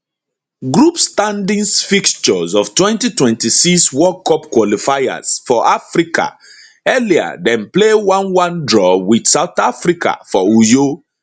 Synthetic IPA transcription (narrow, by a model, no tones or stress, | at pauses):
ɡɹupstãndĩnsfikt͡ʃɔzɔftwɛ̃ntitwɛ̃ntisiswɔkɔpkwɔlifaja̰z̥fɔʔafɹikʰa̰ | ɛlia̰dɛ̃nplewãnwãndɹɔwidsaʊθafɹikʰa̰fɔujo